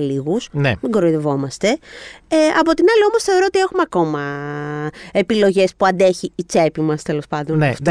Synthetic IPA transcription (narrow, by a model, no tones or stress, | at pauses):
liɣusneeŋɡoɾoiðevo̞mɐst̪e̞eɐpo̞t̪inɐlio̞mosθeoɾo̞ot̪ie̞xumeɐko̞mɐ | epilo̞ʝe̞spuɐnd̪e̞çiːt͡se̞pimɐst̪e̞lo̞spɐnd̪onf